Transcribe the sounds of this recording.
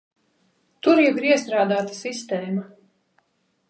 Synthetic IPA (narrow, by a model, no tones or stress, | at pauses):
t̪uɾjɛviɾiɛst̪ɾaːd̪aːt̪ḁsist̪ɛːma